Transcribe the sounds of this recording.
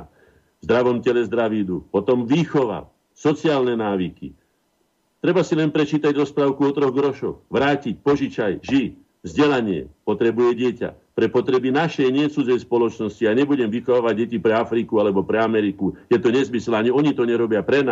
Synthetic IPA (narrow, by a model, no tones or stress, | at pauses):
vzd̪ɾaʋɔmcɛlɛzd̪ɾaʋiːd̪upɔt̪ɔmʋiːxɔʋa̰ | sɔt͡siaːlnɛnaːʋikḭ | t̪ɾɛbasilɛnpɾɛt͡ʃiːt̪aɟɾɔspɾaːʊkuɔt̪ɾɔɣɡɾɔʃɔxʋɾaːcic̚pɔʒit͡ʃajʒi | vzɟɛlaɲɪɛ̰pɔt̪ɾɛbujɛɟɪɛca̰pɾɛpɔt̪ɾɛbinaʃɛjɲɪɛt͡sud͡zɛjspɔlɔt͡ʃnɔsciaɲɛbuɟɛmʋixɔʋaːʋaɟ̚ːɛcipɾɛafɾikualɛbɔpɾɛamɛɾikujɛt̪ɔɲɛzmislɛaɲiɔɲit̪ɔɲɛɾɔbɪapɾɛna